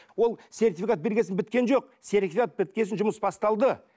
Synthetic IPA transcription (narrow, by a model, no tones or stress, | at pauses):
wo̞lˠse̞rt̪ifʲikat̪̚be̞ɾɡʲe̞sɪnbɪt̪kʲe̞nʒo̞q̚ | se̞rt̪ʲifʲikat̪̚bɪt̪̚kʲe̞sɪnʒʊməsbɑst̪ɑlˠd̪ə